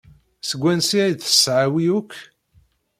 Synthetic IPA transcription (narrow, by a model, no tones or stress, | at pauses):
səɡʷːænsiæjd̪θə̥sːʕawiukː